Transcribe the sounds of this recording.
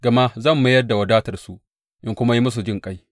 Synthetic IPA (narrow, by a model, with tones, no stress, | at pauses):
ɡɐ˨ma˦zɐ˦˨mːɐ˦jɐ˦rda˨wɐ˨daː˦tɐ˨rsu˦ʔ | ʔɪ˦ŋkʷʊ˦ma˦ji˦mʊ˦s̬u˨d͡ʒɪ˦˨ŋkʼa˦j